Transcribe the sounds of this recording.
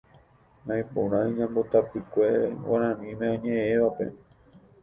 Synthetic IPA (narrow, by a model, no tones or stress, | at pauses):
nãj̃põ̰ɾ̃ãiɲãmbot̪apɨkʷe̞waɾ̃ãnĩmẽõɲẽẽʋape̞̰